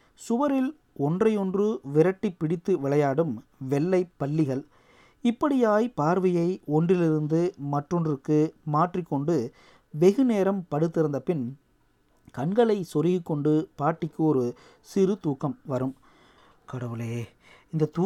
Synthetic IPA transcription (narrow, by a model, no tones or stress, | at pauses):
sʊʋɐɾɪl | ɔndrɐjɔndrɯʋɪɾɐʈːipːɪɽɪt̪ːɯʋɪɭɐjaːɽɯmʋɛɭːɐɪpːɐɭːɪɣɐɭ | ɪpːɐɽɪjaːjpaːɾʋɐjɐɪɔndrɪlɪɾɯnd̪ɯmɐʈrɔnrɯkːɯmaːʈrikːɔɳɖɯ | ʋɛɣɯneːɾɐmpɐɽɯt̪ːɪɾɯnd̪ɐpɪn | kɐɳɡɐɭɐɪsɔɾɪɣikːɔɳɖɯpaːʈːɪkːɯɔɾɯ | sɪɾɯt̪uːkːɐmʋɐɾɯm | kɐɽɐʋɯleː | ɪnd̪ɐt̪uː